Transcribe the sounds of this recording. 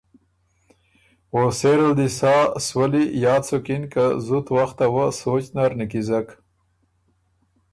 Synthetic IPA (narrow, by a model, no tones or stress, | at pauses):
woseɾəld̪isɑːswəlijɑːt͡sokinkəzut̪waxt̪awəsoːt͡ʃnaɾnikizak